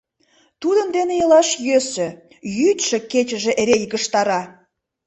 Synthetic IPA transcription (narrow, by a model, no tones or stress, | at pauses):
t̪ud̪ənd̪enejəlɑʃjøsø̆ | jyt̪ʲʃĕket͡ɕə̆ʒĕʔeɾejɡəʃt̪ɑɾɑ